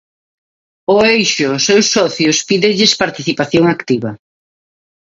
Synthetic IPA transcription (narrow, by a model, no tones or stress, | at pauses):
ʊejʃʊsewsːɔθjʊspiðɪʎɪspaɾt̪iθipaθjoŋakt̪iβɐ